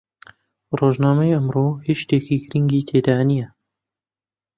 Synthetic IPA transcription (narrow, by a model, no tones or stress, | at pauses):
roːʒnaːmɐjɐmroːheʃt̪eːkiːɡɾiŋɡiːt̪ʰeːd̪aːnijɛ